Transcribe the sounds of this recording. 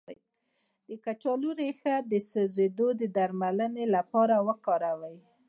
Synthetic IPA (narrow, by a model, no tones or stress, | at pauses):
d̪̥əkat͡ʃɑluɾexad̪əsəzed̪od̪əd̪aɾmalənelapɑɾawəkɑɾawəj